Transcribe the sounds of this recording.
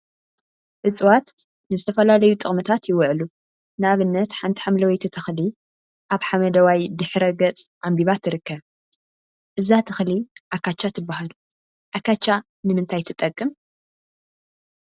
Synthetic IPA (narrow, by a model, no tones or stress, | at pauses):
ʔɨt͡sʼwat̪ | nɨzɨt̪ʰɐfɐlalɐjut̪ʼɨχʼmɨt̪ʰat̪jɪwʊʕlu | nɨaβɨnːɐt̪ħant̪ʰi̥ħamlɐwɐjt̪ʰit̪ʰɐxli | ʔaβħamɐd̪ɐwajd̪ɨħɾɐɡɐt͡sʼʕambiβat̪ʰːɨɾɨkːɐβ | ʔɨzat̪ʰɐxliʔakːat͡ʃːat̪ʰɨbːahalu | ʔakat͡ʃːa | nɨmɨnt̪ʰajt̪ʰɨt̪ʼɐkʼːɨm